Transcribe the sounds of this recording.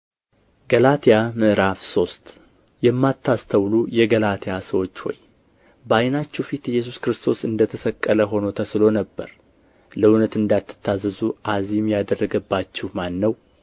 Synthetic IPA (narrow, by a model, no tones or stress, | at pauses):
ɡəlat̪ʰijamɨʔɾafso̞st̪ | jɛmːat̪ːast̪ʰəwlujɛɡəlat̪ʰijasəwo̞t͡ʃːho̞̰j | bəajnat͡ʃːɛwfit̪ɛjːɛs̬uskɾɨst̪ʰo̞sɨnd̪ət̪ʰəsəkʼːələɦo̞no̞t̪ʰəslo̞nəbːə̰ɾ | ləʊnət̪ɨnd̪at̪ːɨ̥t̪ʰːazəzuʔazimjad̪ərːəɡəbːat͡ʃːɛhmanːəw